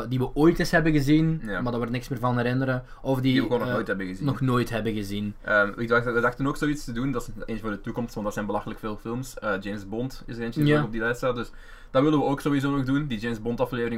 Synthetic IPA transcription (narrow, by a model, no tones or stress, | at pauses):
diʋəʔoːjtɪsɦɛbənɣəzinamardaːʋɔrtnɪksmɪːrvɑnɦɛɾɪnəɾə | ɔfdiəɣoːnɔxnoːjthɛbəɣəzinɔxnoːjtɦɛbəɣəzinəːmɪk̚aʋədɑxtənoːksoːitstədundɑseːnsvoːrdətukɔmstʋɑntdɑtsɛnbəlɑxələkfeːlˠfɪlˠmsəːd͡ʒeːmzbɔntɪsəɾeːnəaɔb̚dilɛtstaːt̚dɵs | d̥ɑtʋɪlˠəʋəoːksoːwizoːnɔɣdundid͡ʒemzbɔntɑfleːvərɪŋ